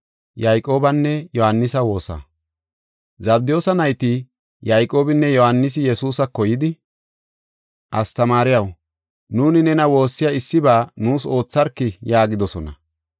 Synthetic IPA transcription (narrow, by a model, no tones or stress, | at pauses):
jajkʼo̞ːbɐnːɛjɔhɐnːɪsɐwo̞ːsɐ̰ | zɐb̚d̪ɪjo̞ːsɐnɐjt̪ɪ | jajkʼo̞ːbɪnːɛjɔhɐnːɪs̬ɪjɛsuːsɐkɔjɪd̪ɪ | ʔɐst̪ɐmaːɾɪjɐw | nuːnɪnɛnɐwo̞ːsːɪjaɪsːɪbaːnuːso̞ːt͡sːɐɾkːɪjaːɡɪd̪ɔsɔnɐ